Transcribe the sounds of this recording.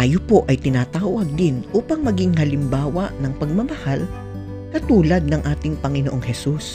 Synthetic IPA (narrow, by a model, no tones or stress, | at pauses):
ʔaːjopoʔɐjt̪ɪnat̪aːwɐɡ̚d̪ɪnʔuːpɐŋmɐɡɪŋhɐlɪmbaːwɐʔnɐŋpɐɡ̚mɐmɐhal | kɐt̪uːlɐd̪̚nɐŋʔaːt̪ɪŋpɐŋɪnoʔoŋhɛsus